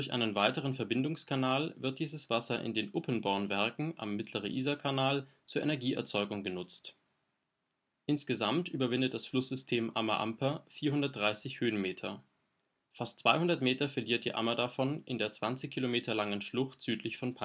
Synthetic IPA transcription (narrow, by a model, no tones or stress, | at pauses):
d̥ʊɐçʔa̰ɪnənvaɪtəʁ̞ənfɛɐbɪndʊŋskʰanaːlvɪɐt̚d̥iːzəsv̥asɐʔɪ̰ndeːnʔʊpʰənbɔɐnvɛɐkŋ̩ʔa̰mːɪtʰləʁ̞ənʔiːzakʰanaːlt͡suːɐʔɛ̰nɛɐɡiːɛ̰ɐt͡sɔʏɡʊŋɡənʊt͡st | ʔɪnsɡ̥əzamtʔyːbɐvɪndətd̥asflʊsz̥ʏstʰeːmʔa̰maʔa̰mpʰɐfiːɐhʊndɐt̚d̥ʁaɪsɪçhøːnmeːtʰɐ | fast̚t͡sv̥aɪhʊndɐtmeːtɐfɛɐliːɐt̚d̥ḭːʔa̰mɐdafɔnʔɪndeːɐt͡sv̥ant͡sɪçkʰilomeːtʰɐlaŋənʃlʊχtz̥yːtʰlɪçfɔnpʰa